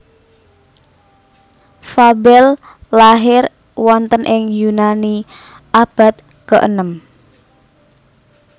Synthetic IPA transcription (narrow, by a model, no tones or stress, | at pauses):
fabɛl | laɦɪr | wɔnt̪ənʔɪŋjunani | ʔab̥a̤t̪̚ | kəʔə̰nəm